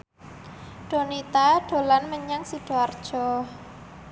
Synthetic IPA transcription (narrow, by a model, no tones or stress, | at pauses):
ɖ̥o̤nit̪aɖ̥o̤lanməɲaŋsiɖ̥o̤ard̥ʒ̥ɔ